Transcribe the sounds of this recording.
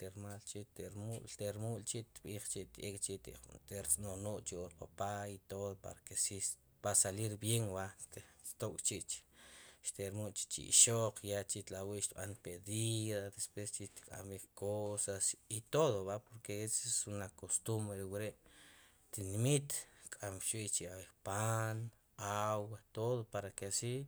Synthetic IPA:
t̪eɾmalt͡ʃit̪eɾmult̪eɾmult͡ʃiʔt̪ɓiːχt͡ʃiʔt̪ekʼt͡ʃit̪t̪eɾt͡sʼnonoʔt͡ʃioɾqopait̪oðopa̰ɾakesi | pasaliɾbjeŋwaʔt̪t̪okʼt͡ʃiʔt͡ʃʃt̪eɾmuʔt͡ʃi̥t͡ʃḭḭʃoq͡χjat͡ʃit̪lawiʔʃt̪ɓanpeðiðad̪espwest͡ʃit̪kʼa̰mikkʰosasit̪oðoβaʔpoɾkeesesunakost̪umbɾeɾewiɾeʔ | t̪inmit̪kʼamʃwiʔt͡ʃiabeχpan | awat̪oðopaɾakesi

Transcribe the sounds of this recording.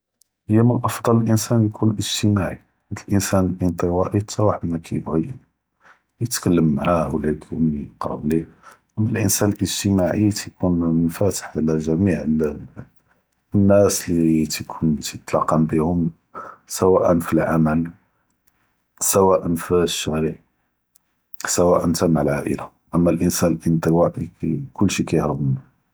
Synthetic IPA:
həjːæmənʔɑfd̪ˤɑləlʔənsænjkʰunʔəʒt̪əmaʕi | d̪əlʔənsænəlʔənt̪ˤəwɑʔit̪ɑwaħd̪mækʰæbɣijə | jət̪kəlːəmːaʕahwlæd̪umqɑ̰bli | məlʔənsænəlʔəʒt̪əmaʕit̪kʰunmənfæt̪ə̥ħʕalæʒæmiʕəl | nːæslit̪kʰunt̪ət̪lɑqːɑmbihʊm | sæwæʔənfilʕaməl | sæwæʔənfiʃːæɾiʕ | sæwæʔənt̪æmaʕəlʕaʔə̰la | ʔəmːælʔənsænlʔənd̪əwaʔikkʊlːʃikæjhɾəbn

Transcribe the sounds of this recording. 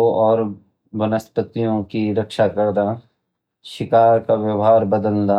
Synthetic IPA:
oʔɔːɾ | bənəspət̪ijõkiɾɐkʃakəɾd̪a | ʃɪkaːɾkaʋjɐʋɦaːɾbəd̪əlna

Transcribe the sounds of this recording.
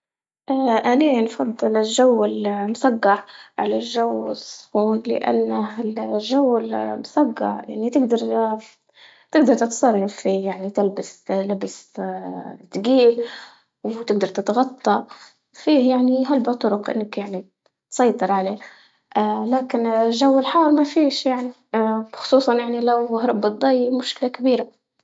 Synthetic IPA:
ʔaʔaniːnfɑd̪ˤːɨlɪlʒawɪlmʊsɑɡːɑʕʕalalʒawːɪsˤːʊ̥fuːnlɪ̰ʔa̰nːaɪʒawːɪlmʊsɑɡːɑ̰ʕja̰ʕnit̪ɪɡd̪ɑɾˤ | t̪ɪɡd̪ɑɾˤt̪ɪt̪sˤɑrˤːɑfijaʕnit̪ɪlbaslɪbɪs | t̪ːɡiːl | wt̪ɪɡ̚d̪ɑɾˤt̪ɪt̪ɣɑt̪ˤːɑ | fiːhjaʕniɦalbat̪ˤːʊɾʊqʔɪ̰nːakjaʕni | t̪sˤɑjt̪ˤɨɾˤʕaleː | ʔalaːkɪnʒawːɪlħɑːɾˤmafiːʃjaʕni | xʊ̥sˤuːsˤɑnjaʕnilawhɾˤɑbːɨd̪ˤːɑjːmʊʃkɪlakabiːɾa

